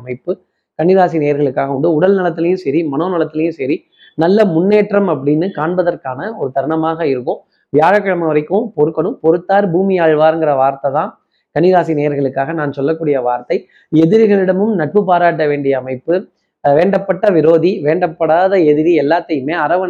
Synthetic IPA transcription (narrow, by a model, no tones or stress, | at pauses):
ɐmɐɪpːɯ | kɐɳɪðaːsineːɐɾɣɐɭɯkːaːɣɐʊɳɖɯʊɽɐlnɐlɐt̪ːɪlɐjɯ̃sɛɾimɐnoːnɪlɐt̪ːɪlɐjɯ̃sɛɾi | nɐlːɐmʊnːeːʈrɐmɐp̬ːɐɽɪnːɯkaːɳbɐðɐɾkaːnɐɔɾɯt̪ɐɾɳɐmaːɣɐɪɾɯkːɯ̃ | ʋɪjaːɻɐkːɐɻɐmɐʋɐɾɐɪkːɯ̃pɔɾɯkːɐɳɯ̃mpɔɾɯt̪ːaːɾbuːmɪjaːɻʋaːɾɯŋɡɪɾɐʋaːɾt̪ɐt̪ãː | kɐɳːɪðaːsineːjɐɾɣɐɭɯkːaːɣɐnaːnsɔlːɐk̬ːuːɽɪjɐʋaːɾt̪ɐɪ | ɛðɪɾɯɣɐɭɪɽɐmɯmnɐʈ̚pɯpaːɾaːʈːɐʋeːɳɖɪjɐːmɐɪpːɯ | ʋeːɳɖɐpːɐʈːɐʋɪɾoːðiʋeːɳɖɐpːɐɽaːðɐɛðɪɾiɛlːaːt̪ːɐjɯmeːɐɾɐʋɐ